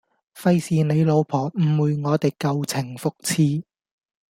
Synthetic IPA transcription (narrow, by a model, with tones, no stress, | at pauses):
fɐ˧jsiː˨ne˨˧jlo˨˧wpʰɔː˨˩m̩˨˩wuː˨˧jŋɔː˨˧t̪e˨jkɐ˨˧wt͡sʰɪ˨˩ŋfʊ˨k̚t͡sʰiː˧